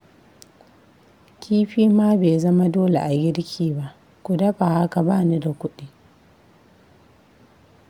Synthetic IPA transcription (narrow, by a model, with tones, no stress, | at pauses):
kʲʰiː˦ɸiː˦maː˦beː˨zɐ˦ma˦doː˦lḛ˨ʔa˨ɡʲɪ˦ɽkʲʰiː˨ba˦ʔ | kʷʊ˨dɐ˦ɸa˨ha˦ka˨baː˦˨ni˦da˨kʷʊ˦ɗi˦